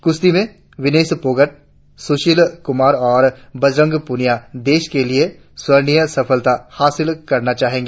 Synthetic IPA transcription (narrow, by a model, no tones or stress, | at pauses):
kʊst̪imẽ | ʋɪneːspoːɡəʈ̚ | sʊʃɪlkʊmaːɾɔːɾbɐd͡ʒɾə̃ŋɡpʊnijad̪eːʃkelie | swɐɾnijəsɐfʰəlt̪ahaːsɪlkɐɾnat͡ʃaːɦẽːŋɡeː